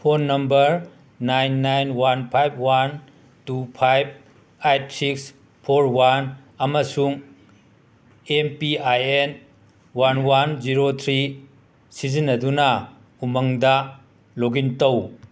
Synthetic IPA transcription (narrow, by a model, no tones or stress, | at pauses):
pʰonːɐmbɐɾ | najnːajnwanpʰajb̚ʰwan | tupʰajb̚ | ajt̚siks | pʰoɾwan | ɐmɐsuŋ | empiajen | wanwand͡ʒiɾot̪ʰɾi | sizinːɐdunɐ | umɐŋdɐ | loɡintɐw